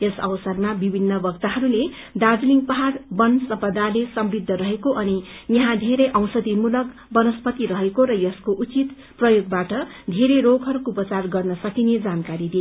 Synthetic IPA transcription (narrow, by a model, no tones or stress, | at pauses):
ʌsʌ̰wsʌrmabibʱinːʌbʌk̚t̪aɦʌɾule | ɖad͡zliŋpʌɦarbʌnsʌmpʌd̪ʱalesʌmrid̪ʱːʌɾʌɦekoʔʌnijʌɦãd̪ʱeɾʌjʔʌ̃w̃sʌd̪imulʌk | bʌnʌspʌt̪iɾʌɦekoɾʌjʌskoʔut͡sit̪ | prʌjoɡbaʈʌ | d̪ʱeɾeɾoɡʱɦʌɾukupʌt͡sarɡʌrnʌsʌkined͡zankaɾid̪ie